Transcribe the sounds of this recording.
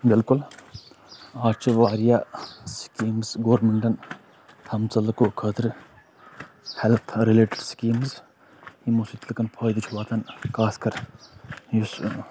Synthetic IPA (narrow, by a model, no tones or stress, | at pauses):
bɪlkʊl | aːt͡ʃʰɐʋaːɾijaskiːmzɡoːɖmɐɳʈɐn | t̪ʰɐmt͡sɐlɐkokʰəːt̪ʰɾɨ | hɛlɐt̪ʰɾileːʈɪɖskiːmz | himusit̪lɐkɐnpʰɐːjd̪it͡ʃʰuʋaːt̪ʰɐnkaːskɐɾ | jus